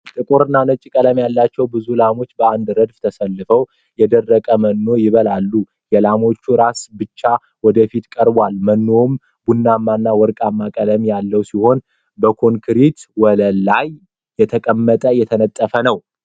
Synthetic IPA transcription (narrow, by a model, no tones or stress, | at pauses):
t̪ʼɨkʼuɾɨnːanət͡ʃʼikʼələmjalːat͡ʃːɛwbɨzulamo̞t͡ʃːbəand̪ɾəd̪ft̪ʰəsəlːɨfəw | jɛd̪ərːəkʼəmənːo̞jɪβəlalːu | jɛlamo̞t͡ʃːuɾasbɨt͡ʃːa | wɔd̪əfit̪kʼəɾbʷalmənːo̞m | bunːamːanːawɔɾkʼamːakʼələmjalːəwsiho̞n | bəkʰo̞ŋkʰɾit̪wɔləlːajː | ɛt̪ʰəkʼəmːət̪ʼəjɛt̪ʰənət̪ʼːəfənəw